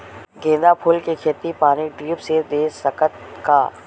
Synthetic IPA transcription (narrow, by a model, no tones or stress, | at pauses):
ɡẽːd̪apʰʊlkekʰeːt̪ipaːniɖɾiːpsed̪eːsəkət̪kaː